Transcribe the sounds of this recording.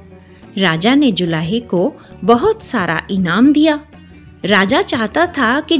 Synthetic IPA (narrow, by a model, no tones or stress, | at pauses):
ɾaːd͡ʒaned͡ʒʊlaːɦeko | bɐɦʊt̪saːɾʔa̰ʔɪnaːmd̪ijaː | ɾaːd͡ʒat͡ʃaːɦt̪at̪ʰaki